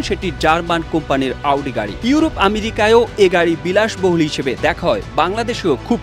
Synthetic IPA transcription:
nʃeʈid͡ʑaɾmankompaniɾawɖiɡa̰ɽḭjuuɾopameɾikaeoeɡaɽibilaʃboɦulɦiʃebed̪ɛkʰaɦɔebaŋlad̪eʃiokʰub̚

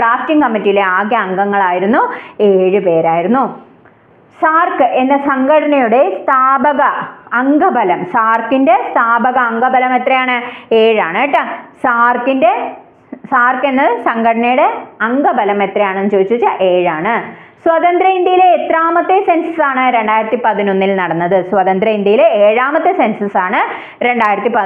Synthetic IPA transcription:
praːstiŋkɐmːitːijileaːɡjɐːŋɡɐŋːɐɭaːjiɾunːueːɻɨpe̞ːɾaːjiɾunːu | saːrkɨʔe̞nːɨsɐŋɡɐɽɐnɐjuɽe̞st̪ʰaːbɐɣɐːŋɡɐbʱɐlɐmsaːrkinde̞st̪ʰaːbɐɣɐɐŋɡɐbʱɐlɐme̞t̪rɐjaːɳɨeːɻaːɳeʈːɐsaːrkinde̞ | saːrke̞nːɐðɨsɐŋɡɐɽɐnɐjuɽe̞ɐŋɡɐbʱɐlɐme̞t̪rɐjaːɳenːɨt͡ɕo̞ːd̪it͡ɕːut͡ɕːaʔeːɻaːɳɨ | swɐðɐnd̪ɾɐind̪jɐjileːt̪ɾaːmɐt̪ːesensɐsaːɳɨɾe̞ɳɖaːjɾɐt̪ːipɐðino̞nːilnɐɽɐnːɐðɨswɐðɐnd̪ɾɐind̪jɐjileeːɻaːmɐt̪ːesensɐsaːɳɨ | ɾe̞ɳɖaːjiɾɐt̪ːipɐ

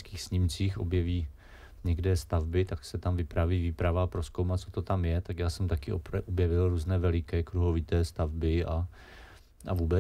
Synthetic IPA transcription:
skiːxsɲɪmt͡siːxo̞bjɛviː | ɲɛɡdɛːst̪avbɪt̪aksɛt̪amvɪpɾaviːviːpɾavaːpɾo̞skowmat̪̚t͡sot̪o̞t̪amjɛt̪akjaːsɛmt̪akɪʔoʔobjɛvɪlɾuːznɛːvɛlɪkɛːkɾuɦo̞vɪt̪ɛːst̪avbɪʔa | ʔa̰vuːbɛ

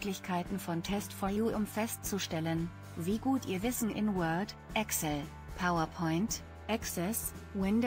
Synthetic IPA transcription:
klɪçkʰaɪtn̩fɔntʰɛstfɔɐjuːʔʊmfɛst̚t͡suʃtɛlən | viːɡuːtʔiːɐvɪsn̩ʔɪ̰nwɜɐd | ʔɛksl̩ | pʰaʊɐpʰɔʏnt | ʔɛksɛs | wɪnd

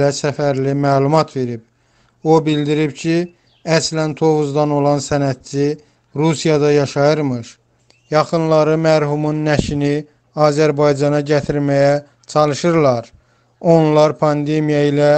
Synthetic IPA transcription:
æsæfæɾlimæːlˠumɑt̪ʰve̞ɾib̥̚ | o̞bild̪iɾibcʰi | æslænt̪ʰo̞vuzd̪ɑno̞lˠɑnsænæt̪̚t͡ʃʰi | ɾusijɑd̪ɑjɑʃɑjɯɾmɯɾ | jɑχɯnlˠɑɾɯmæɾhumunːæʃini | ɑːzæɾbɑjd͡ʒɑnɑɟæt̪ʰiɾmæjæ | t͡ʃʰɑlˠɯʃɯɾlˠɑɾ | o̞nlˠɑɾpʰɑnd̪e̞mijɑilæ

